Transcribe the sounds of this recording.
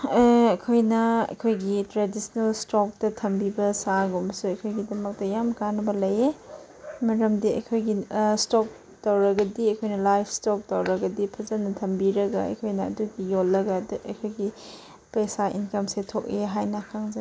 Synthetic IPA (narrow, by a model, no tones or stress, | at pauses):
kʰojnɐɐ̰kʰojɡitɾedisnɐlstok̚tɐtʰɐmbibɐsaɡumsuɐkʰojɡidɐmɐk̚tɐjamkanɐbɐlɐje | mɐɾɐmdiɐ̰kʰojɡistok̚ | tɐwɾɐɡɐdiɐkʰojnɐlajpʰstok̚tɐwɾɐɡɐdipʰɐzɐnːɐtʰɐmbiɾɐɡɐɐ̰kʰojnɐ̰ːduɡijolːɐɡɐdɐ̰kʰojɡi | pesaʔḭnkɐmsetʰok̚eɦajnɐkʰaŋzɐ